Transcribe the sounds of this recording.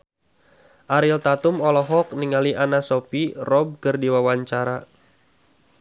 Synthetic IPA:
ʔaɾilt̪at̪umɔlɔɦɔk̚niŋaliʔanasɔpirɔb̚kərdiwawaɲt͡ʃaɾa

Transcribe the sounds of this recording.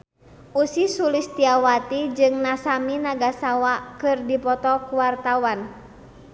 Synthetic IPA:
ʔusisulist̪iawat̪id͡ʒɨŋnasaminaɡasawakɨrdipɔt̪ɔkuwart̪awan

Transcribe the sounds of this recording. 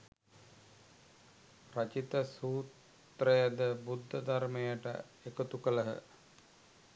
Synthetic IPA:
rət͡ʃit̪əsuːt̪ | rəjəd̪əbud̪ʱːəd̪armejəʈə̰ | ekot̪ukələɦə̰

